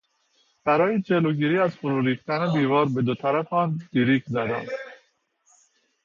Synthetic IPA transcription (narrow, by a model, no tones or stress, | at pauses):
b̥æɾɒːjed͡ʒeloɟiːɾiːæzfoɾuːɾiːxt̪ænebiːvɒːɾbe̞d̪ot̪ʰæɾæfɒːnd̪̥iɾiːkʰzæd̪æ̰n